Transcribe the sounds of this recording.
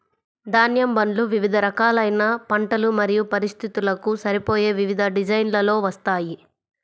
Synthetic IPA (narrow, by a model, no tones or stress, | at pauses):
d̪aːnjɐmbɐɳɖluʋiʋid̪ʱɐɾɐkaːlɐjnɐpɐɳʈɐlumɐɾijupɐɾist̪ʰit̪ulɐkusɐɾipo̞ːjeːʋiʋid̪ʱɐɖid͡ʒɐjnlɐlo̞ːʋɐst̪aːji